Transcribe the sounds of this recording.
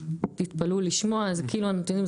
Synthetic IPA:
tit̪paluliʃmo̞azekiːluanot̪ɛnim

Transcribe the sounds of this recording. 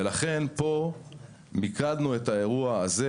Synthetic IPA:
elaχe̞npo̞ | mikadnue̞tae̞ʁuaːze

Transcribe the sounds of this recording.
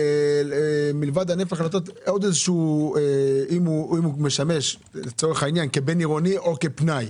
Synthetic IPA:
milvad̪hanefaχalat̪̬o̞t̪od̪ezeʃueimuimume̞ʃame̞ʃ | let͡so̞ʁeχainjankebe̞niʁoniʔo̞ke̞pnaj

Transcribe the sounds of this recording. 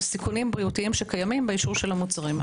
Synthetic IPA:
sikunimbʁiutiimʃekajamimbeiʃuʁʃe̞lhamut͡saʁim

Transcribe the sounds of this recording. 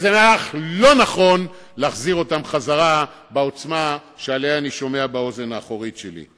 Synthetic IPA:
zenaaχlo̞naχo̞n | leaχziʁo̞tamχazaʁa | beo̞t͡sma | ʃealejaːniʃo̞me̞abao̞ze̞naːχo̞ʁitʃelḭ

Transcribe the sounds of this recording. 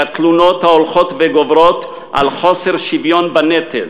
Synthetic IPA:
at̪lunot̪haolχot̪veɡovɾot̪ | ʔa̰lχoseʁʃivjonbanet̪el

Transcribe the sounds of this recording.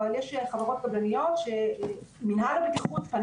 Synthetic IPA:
aljeʃχavaʁo̞t̪̚ɡablanijo̞t̪ʃeminɦaʁbekiχut̪pan

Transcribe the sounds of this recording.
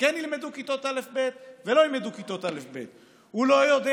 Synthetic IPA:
kɛnilmed̪ukit̪o̞t̪alefbet̪velo̞ilmed̪ukit̪o̞t̪alefbet̪ | hulojod̪e

